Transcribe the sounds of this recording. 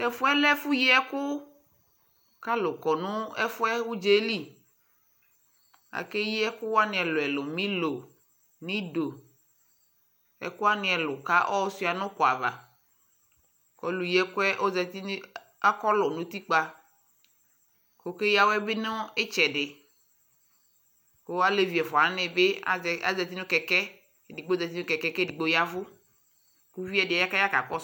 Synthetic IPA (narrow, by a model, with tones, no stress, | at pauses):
ɛ˦fʊ˦ɛ˦lɛ˦fu˦ji˦ɛ˦kʊ˦ | ka˦lʊ˨kɔ˨nʊ̃˦ɛ˦fʊ˦ɛ˦wu˦d͡ʒe˦li˦ | a̰˨ke˦ji˦ɛ˦kʊ˦wa˦nɪ̃˨ɛ˨lʊ˨ɛ˨lʊ˨mĩ˦lo˨ | nĩ˦do˨ | ɛ̰˨kʊ˦a˦nɪ̃˨ɛ˨lʊ˨ka˦ʔɔ˦ɔ˦si˦˨a˨nɔ̃˦kɔ˨a̰˨va̰˨ | kɔ˦lu˨jɛ˦kʊ˦ɛ˦ʔo˦zɛ˨t̪i˦n˦ | a˦kɔ˦lɔ˨nõ˨˦t̪i˦k͡pa˦ | ko˨ke˦ja˦wɛ˦bɪ˦nɔ˦ɪ˦t͡ʃɛ˨ɖɪ˨ | ko˦a˦le˦vi˨ɛ˨fɔ˨a˨˦nɪ̃˨be˦˨a̰˦zɛ˨t̪̬i˦nʊ̃˦kɛ˨kɛ˦˨ | di˨ɡ͡bo˦zɛ˨t̪i˦ʊ̃˦kɛ˨kɛ˦kɛ˦di˨ɡ͡bo˦ja˦vʊ˦ | ku˦vi˦ɛ˦dɪ˨ɛ˨˦ja˦ka˦ja˦ka˨k͡pɔ˦